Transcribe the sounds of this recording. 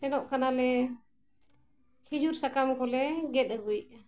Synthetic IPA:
sɛnɔʔkanalɛ | hid͡ʒuɾsakamkɔlɛɡɛt̪̚əɡujʔ̚

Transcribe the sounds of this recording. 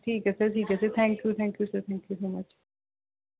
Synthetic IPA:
ʈʰiːkɛsəɾʈʰiːkɐset̪ʰæ̃ŋkjuːt̪ʰæ̃ːŋkjusəɾt̪ʰæ̃ŋkjusoːmɐt͡ʃ

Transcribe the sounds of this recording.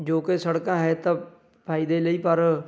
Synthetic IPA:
d͡ʒoːkesəɽkãːɦɛːt̪ãː | pʰaːid̪eːləiːpəɾ

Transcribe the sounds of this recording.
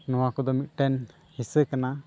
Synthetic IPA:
nɔwakɔd̪ɔmit̪̚ˀʈɛn | hisəkana

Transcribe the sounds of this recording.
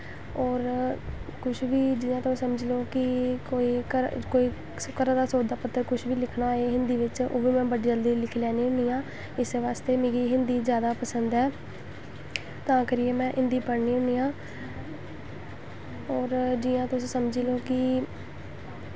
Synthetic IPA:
ɔːɾ | kʊʃʰʋiːd͡ʒɪjãːt̪ãːsəməd͡ʒloːkɪkoːiːkəkoːiː | kəɾãːd̪aːsoːd̪aːpət̪ːəɾkʊʃʰʋiːlɪkʰnaːeːɦɪnd̪iːʋɪt͡ʃo̰ːʋiːmɛ̃ːbəɖiːd͡ʒəld̪iːlɪkʰlɛːniːʊniːãː | ɪseːʋaːst̪eːmẽːɡiːɦɪnd̪iːzjaːd̪aːpəsənd̪ɦɛː | t̪ãːkəɾieːmɛ̃ːʔɪnd̪iːpəɾnĩːɦʊɳiːãː | ɔːɾd͡ʒɪːãːt̪ʊsĩːsəmd͡ʒiːloːkɪ

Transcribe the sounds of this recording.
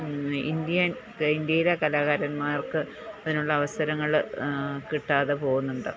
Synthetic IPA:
ḭnd̪jɐn | ind̪jɐjilekɐlaːɣaɾɐnmaːrkɨ | ɐðinuɭːɐːʋɐsɐɾɐŋːɐɭ | kiʈːaːðepo̞ːɣunːuɳɖɨ

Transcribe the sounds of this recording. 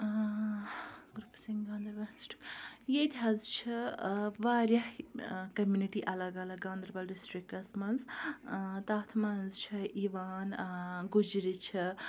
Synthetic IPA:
ɡɾupsiŋɡãːnd̪ɾbɐlsʈi̥kjet̪ʲɦɐzt͡ʃʰiʋaːɾjɐhkɐmjuːniʈiʔɐlɐɡɐlɐɡãːnd̪ɾbɐlɖisʈɾikːɐsmɐnz | t̪aːt̪ʰmɐnzt͡ʃʰiiʋaːnɡud͡ʒiɾit͡ʃʰi

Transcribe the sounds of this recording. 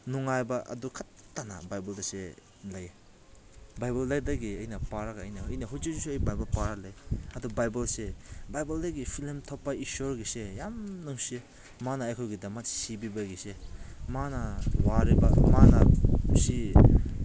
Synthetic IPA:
nuŋajbɐʔɐ̰dukʰatː | anɐ̰bajbɐldasḛ | lɐje | bajbɐldɐjdɐɡiɐjnɐpaɾɐɡaːjnɐɐjnɐhojzezusuɐjbajbɐlpaɾalɐjɐdubajbɐlsebajbɐldɐɡipʰilmtʰɔpːɐisoɾɡisejamnuŋsi | manɐːjkʰojɡidɐmɐtsibibɐɡisemanɐwaɾibɐmanɐsi

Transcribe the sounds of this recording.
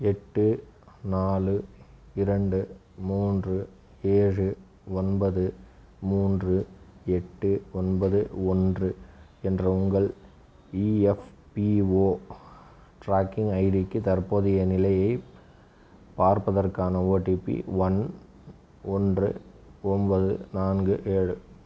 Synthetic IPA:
ɛʈːɯnaːlɯɪɾɐɳɖɯ | muːndrɯ | eːrɯ | ɔnbɐðɯ | muːndrɯɛʈːɯɔnbɐðɯɔndrɯ | ɛndrɐʊŋɡɐɭ | iɛf | pioː | ʈɾaːkɪŋɐɪðɪkːɯt̪ɐɾpoːðɪjɐnɪlɐjɐɪ | paːɾpɐðɐrkaːnɐoːʈiːpːḭʋɐn | ɔndrɯ̰ɔnbɐðɯ̰naːnɡɯʔeːɻɯ

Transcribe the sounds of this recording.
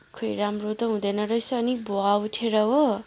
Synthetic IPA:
kʰʌjɾamrot̪ʌɦũd̪ʌnʌɾʌjsʌːniboauʈʰeɾʌɦo

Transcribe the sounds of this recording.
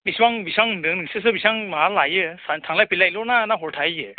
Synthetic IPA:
biswaŋbisaŋɯndɯŋnɯŋsɯs̬ɯbisaŋmaɦalajɯsantʰaŋlajpʰilajlɔnanaɦɔɾtʰajɯ

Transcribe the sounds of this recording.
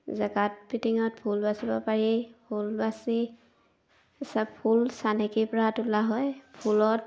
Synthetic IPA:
zaɡat̚pitiŋɔt̚pʰulbasibɔpaɹipʰulbasi | sapʰulsanɛkipɔɹatulaɦɔjpʰulɔt

